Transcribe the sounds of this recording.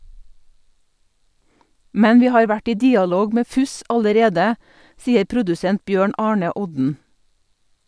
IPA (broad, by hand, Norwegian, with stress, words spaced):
ˈmɛn ˈʋiː ˈhɑːɾ ˈʋæʈ ˈiː ˈdiːɑˌloːɡ ˈmeː ˈfʉs ɑləˈɾeːdə ˈsiːəɾ ˈpɾʊdʉsɛnt ˈbjøːɳ ˈɑːɳə ˈɔdn̩